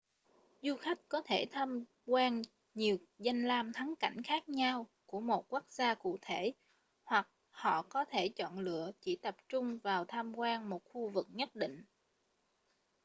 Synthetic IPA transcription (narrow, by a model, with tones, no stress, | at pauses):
zu˧xa˦˥jk̟̚kɔ˨˦t̪ʰe˧˩t̪ʰaː˧m | kwaː˧n | ɲi˨˩əwza˧jŋlaː˧mt̪ʰa˨˦ŋka̰˧˩jŋ̟xaː˦˥k̚ɲa˧wku˧˩əmo˨˩t̚kwu˦˥k̚zaː˧kṵ˧˨t̪ʰe˧˩˨ | hwa˨˩k̚ | hɔ̰˧˨kɔ˨˦t̪ʰe˧˩t͡ɕɔ̰˧˨nlɨ̰˧˨ət͡ɕi˧˩t̪ə˨˩p̚t͡ɕʊ˧ŋ͡mvaː˨˩wt̪ʰaː˧mkwaː˧nmo˨˩t̚xu˧vɨ˨˩k̚ɲə˦˥t̚ɗḭ˧˨ŋ̟